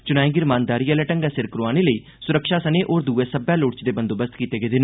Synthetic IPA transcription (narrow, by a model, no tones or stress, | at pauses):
t͡ʃʊnaːẽːɡɪɾmãːnd̪aːɾiːəlɛʈə̃ŋɡaːsɪɾkɾoaːneːləiː | sʊɾəkʃaːsəneːʔoːɾd̪uːeːsəbjaːloːɽt͡ʃd̪eːbə̃nd̪oːbəst̪kiːt̪eːɡeːd̪ɪn